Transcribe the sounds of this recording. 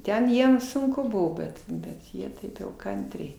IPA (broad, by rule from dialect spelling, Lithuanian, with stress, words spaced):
ˈtʲɛn ˈjiɛm sʊŋˈkʊ ˈbʊʋoː ˈbʲɛt bʲɛt ˈjiɛ ˈtɐɪp jɛʊ ˈkɐnʲtʲrʲɛɪ